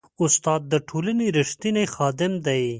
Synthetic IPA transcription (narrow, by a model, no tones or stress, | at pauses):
ʊst̪ɑːd̪̚ːəʈʰolaneɾɪʂt̪inexɑːd̪ɪmd̪aj